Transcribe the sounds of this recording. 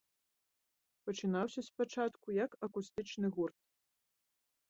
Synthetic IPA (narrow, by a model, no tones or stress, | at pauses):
pɐt͡ʂɨnawsʲɐspat͡ʂat̪kujɐkɐkust̪ɨt͡ʂnɨɣurt̪